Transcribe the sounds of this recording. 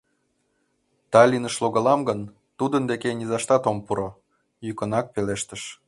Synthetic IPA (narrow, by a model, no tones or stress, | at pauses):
t̪ɑlʲinəʃloɣəlɑmɡən | t̪ud̪ənd̪ekenʲizɑʃt̪ɑt̪ompuɾo | jykə̆nɑk̚peleʃt̪əʃ